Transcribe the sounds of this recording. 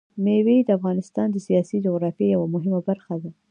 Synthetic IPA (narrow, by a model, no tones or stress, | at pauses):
mewed̪əafɣɑnɪst̪ɑnd̪əsijɑsid͡ʒʊɣɾɑfiejawamʊɦɪmabaɾxad̪a